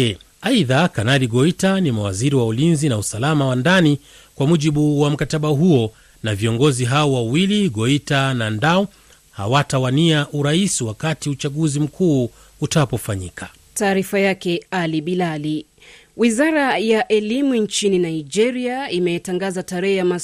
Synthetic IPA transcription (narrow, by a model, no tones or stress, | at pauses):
aiðakanaliɡɔitanimawaziɾiwaulinzinausalamawandani | kwamuʄiɓuwam̩kataɓaɦuɔ | naviɔŋɡɔziɦaɔwawiliɠɔitanandaɔ | ha̰watawaniaʔuɾaisiwakatiut͡ʃaɠuzim̩kʰuː | utapɔfaɲḭkʰa | taːɾifajakɛaliɓilali | wizaɾajaʔɛlimunt͡ʃininaid͡ʒɛɾiaimɛɛtaŋɡazataɾɛhɛjama